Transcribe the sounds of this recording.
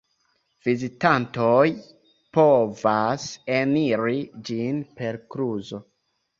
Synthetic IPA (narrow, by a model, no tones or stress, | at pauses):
v̥izitanto̞j | po̞vase̞niɾid͡ʒinpe̞ɾkɾuzo̞